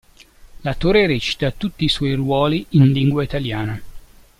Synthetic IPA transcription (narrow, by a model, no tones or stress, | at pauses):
lat̪oːɾeɾɛt͡ʃi̥t̪at̪ut̪ːiːswɔjrwɔːliinliŋɡwait̪aljaːna